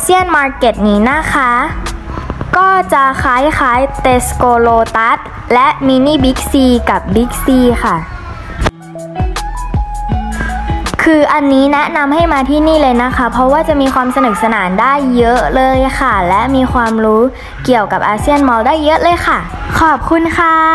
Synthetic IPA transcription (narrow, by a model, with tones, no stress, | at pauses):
si˥˩ənmaː˧ke˨˩t̪̚niː˦˥na˦˥kʰa˦˥ | kɔː˥˩t͡ɕa˨˩ʔkʰaː˨˦˥jxʰaː˨˦˥jt̪e˦˥skoː˧loː˧t̪a˦˥t̪̚ | lɛ˦˥ʔmiː˧niː˥˩bi˦˥k̚siː˧ka˨˩p̚bi˦˥k̚siː˧xa˥˩ | kʰɯː˧ʔa˧nːiː˦˥nɛ˦˥ʔna˧mɦa˥˩jmaː˧t̪ʰiː˥˩niː˥˩lɤː˧jna˦˥kʰa˦˥pʰɾɔ˦˥waː˥˩t͡ɕa˨˩ʔmiː˧xʰwaː˧msa˧nɯ˨˩p̚sa˧naː˩˦ndaː˥˩jːɤ˦˥ʔlɤː˧jxʰa˥˩lɛ˦˥miː˧xʰwaː˧mɾuː˦˥ | ki˨˩əwka˨˩p̚ʔaː˧si˥˩ənmɔ˧wdaː˥˩jːɤ˦˥ʔlɤː˧jxʰa˥˩ | kʰɔː˨˩p̚kʰu˧nkʰa˥˩